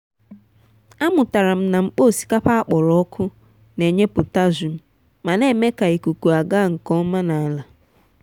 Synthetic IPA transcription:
a˦mʊ˨ta˨ɾa˨m̩˦na˨ŋ͡m̩˦k͡po˦˨si̥˦ka˦pa˦a˦k͡pɔ˨ɾɔ˦kʰʊ˦ | ne˨ɲe˦pʊ˨ta˦zu˨m̩˦ | ma˨ne˦me˦ka˨i˨ku˨ku˨a˨ɡa˦˨ŋ̩˨kɔ˦ma˦na˨a˨la˨

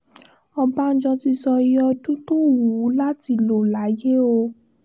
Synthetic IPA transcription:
ɔ˧ba˦n̩˦d͡ʒɔ̃˧ti˧sɔ˧i˦ɔ˧dũ˦to˦wu˨˦la˦ti˧lo˨la˨˦je˦o˧

